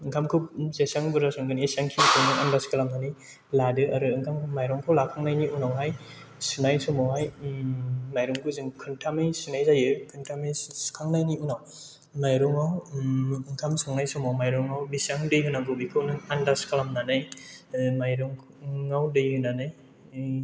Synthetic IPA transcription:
ɯŋkʰamkʰɯw̚zesaŋbɯɾasɔŋɡɯniːsaŋkʰiŋkʰɯwnɯŋandaskalamnanɯj | ladɯaɾɯɯŋkʰamkʰɯmajɾɔŋkʰɯwlakʰaŋnajniunawɦaj | sunajsɔmawɦaj | majɾɔŋkʰɯzɯŋkʰɯntʰamɯjsunajzajɯkʰɯntʰamɯjskʰaŋnajniunaw | majɾɔŋaw | ɯŋkʰamsɔŋnajsɔmawmajɾɔŋawbisaŋdɯjhunaɡɯbikʰɯwnɯŋandaskʰalamnanɯj | majɾɔŋ | ŋawdɯjhɯnanɯj

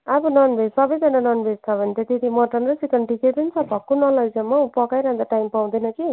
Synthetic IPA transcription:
abʌnʌnbʱed͡zsʌbʌjd͡zʌnanʌnbʱed͡zt͡sʰʌbʱʌnet̪ʰʌt̪et̪imʌʈʌnrʌsikʌɳʈikejpʌnit͡sʰʌbʱʌkːunʌlʌjd͡zʌmːʌupʌkajɾʌɦãnd̪aʈajmpaw̃d̪ʌjnʌki

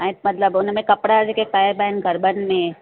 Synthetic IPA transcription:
ãmɐt̪ləbʊnmẽkɐpɽad͡ʒekek̚paːjəɾbɛːnɡʱɐɾbənmẽ

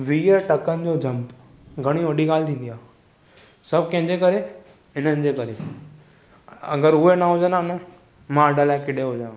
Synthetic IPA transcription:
ʋiːəʈɐkənɪ̆d͡ʑod͡ʑʱɐ̃mp | ɡʱɐɽ̃iʋɐɖiɡaːlt̪ʰĩːnd̪ijaː | sɐb̚kɐ̃ɦɪ̃ɲd͡ʑekəɾe | ɪn̤ənɪ̆d͡ʑeːkɐɾe | ɐ̰ɡəɾʊɦenaɦʊd͡ʑənãnə | mãəɖəlakɪɗeɦod͡ʑãː

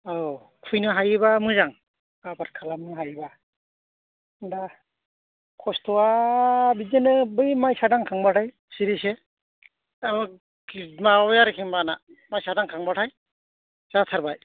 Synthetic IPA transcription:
a | kʰujnɯɦajbamɯzaŋ | abaɾ̚kʰalamɯɦajba | nda | kʰɔstʰɔabizenɯbɯjmajsadaŋkʰaŋbatʰaj | siɾise | amɯ | kimajaɾɯkʰiŋbana | majsadaŋkʰaŋbatʰaj | z̥atʰaɾbaj

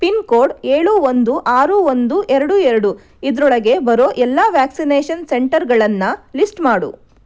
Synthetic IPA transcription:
pinkoːɾɖeːɭuːond̪uʔaːɾuond̪uʔɛɾɐɽuɛɾɐɽu | id̪ɐɾɔɭɐɡe̞bɐɾoːʔɛlːɐʋjaːksineːʃɐnseɳʈɐɾɡɐɭɐnːɐlisʈmaːɽṵ

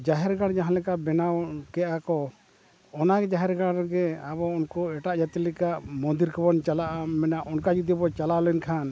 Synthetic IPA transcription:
d͡ʒaɦɛɾɡaɽd͡ʒaɦãlɛkabɛnawkɛʔakɔ | ɔnaɡɛd͡ʒaɦɛɾɡaɽɡɛabɔunkɔɛʈaʔd͡ʒat̪ɛlɛkaʔmɔnd̪iɾkʰɔbɔnt͡ʃalaʔamɛnaʔɔnkad͡ʒud̪ɔbɔt͡ʃalalɛnkʰan

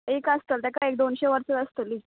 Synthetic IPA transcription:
ekəst̪əlt̪ɛkaek̚d̪onɕeʋəɾsət̪əst̪əli

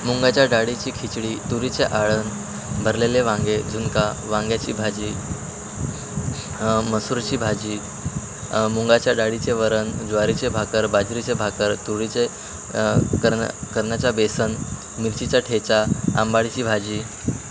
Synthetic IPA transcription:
muŋɡat͡ɕjaɖaɽit͡ɕiːkʰit͡ɕɽiːt̪uɾit͡seʔaɭən | bʱəɾleleʋãŋɡed͡zʱunkaʋãŋɡjat͡ɕḭːbʱad͡ʑiː | məsuːɾt͡ɕiːbʱad͡ʑiː | muŋɡat͡ɕjaɖaɽit͡seʋəɾənd͡zʋaɾit͡sebʱakəɾbad͡zɾit͡sebʱakəɾt̪uɽit͡se | kəɾ̰kəɾɳjat͡ɕabesən | miɾt͡ɕit͡ɕaʈʰet͡saa̰mbaɽit͡ɕiːbʱad͡ʑiː

